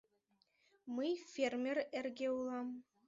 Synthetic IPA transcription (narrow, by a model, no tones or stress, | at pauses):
mɯjfʲermʲerɘ̆rʲɡʲeulˠɑm